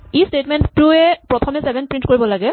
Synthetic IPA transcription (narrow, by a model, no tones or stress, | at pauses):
istetmɛnuɛpɹɔt̪ʰɔmɛsɛbʱɛnpɹintkoɹibɔlaɡɛ